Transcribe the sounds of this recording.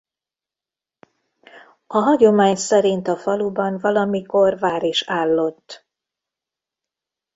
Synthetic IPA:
ɒɦɒɟo̞maːɲsɛɾint̪ɒfɒlubɒnvɒlɒmiko̞rvaːɾiʃaːlːo̞t̪ː

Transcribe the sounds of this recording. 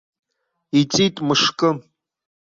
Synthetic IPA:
it͡sʼitʼmɨʂkʼɨ

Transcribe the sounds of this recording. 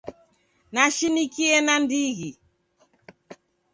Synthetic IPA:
naʃinikiɛnandiɣi

